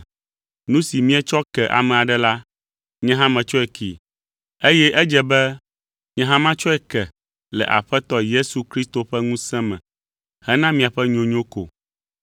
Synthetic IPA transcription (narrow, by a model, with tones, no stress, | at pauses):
nũ˦si˨mĩ˦ɛ˦t͡ʃɔ˦kɛ˨ʔa̰˨mɛ̃˨a˨ɖɛ˨la˦ | ɲɛ̃˦ɦã˦mɛ̃˨t͡ʃɔ˦ɛ˨kʰḭ˨ | e˦jɛ˦ʔɛ˦d͡ʒɛ˨bɛ˦ | ɲɛ̃˦ɦã˦mã˦t͡ʃɔ˦ɛ˨kɛ˨ | lɛ̰˨ʔa̰˨ɸɛ˦t̪ɔ˦je˦su˨kɾi˦st̪o˨ɸɛ˦ŋũ˦sɛ̃˦mɛ̰̃˨ | hɛ˦nã˦mĩ˨a˨ɸɛ˦ɲõ˨ɲõ˦ko̰˨